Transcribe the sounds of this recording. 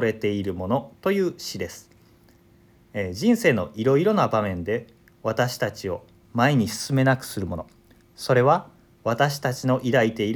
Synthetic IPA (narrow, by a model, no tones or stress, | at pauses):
ɾe̞t̪e̞iɾɯ̟mo̞no̞t̪o̞jɯ̟ːɕid̪e̞sɨ̥ | ʑĩɰ̃se̞ːno̞ʔiɾo̞iɾo̞noabamẽ̞nd̪e̞ | βat̪aɕi̥t̪at͡ɕio̞ | maeɲ̟isɨ̥sɨme̞nakɯ̟̥sɨɾɯ̟mo̞no̞ | so̞ɾe̞βa | βat̪aɕi̥t̪at͡ɕino̞ʔiɾait̪e̞iɾ